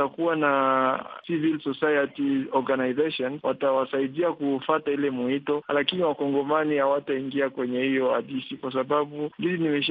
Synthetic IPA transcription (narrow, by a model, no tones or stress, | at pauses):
akuwanasivilsɔsajatiɔɾɡanaizeʃɔnwatawasaiɗiakufatailɛmuhitɔlakiniwakɔŋɡɔmaniawataiŋɡiakwɛɲɛhijɔaɗisikwas̬aɓaɓundizinimɛʃ